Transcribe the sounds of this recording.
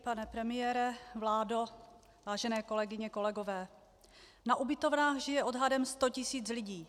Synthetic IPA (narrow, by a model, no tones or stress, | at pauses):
panɛpɾɛmɪjɛːɾɛvlaːdo | vaːʒɛnɛːko̞lɛɡɪɲɛko̞lɛɡo̞vɛː | naʔubɪt̪o̞vnaːxʒɪjɛʔo̞dɦadɛmst̪o̞cɪsiːt͡slɪɟiː